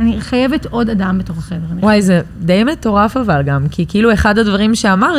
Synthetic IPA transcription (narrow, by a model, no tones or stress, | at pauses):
aniχajeveto̞dadambeto̞χḁχeveʁaniwajze | d̪e̞jmet̪o̞ʁafavalɡamkʰikeilue̞χadhadvaʁimʃeamaʁ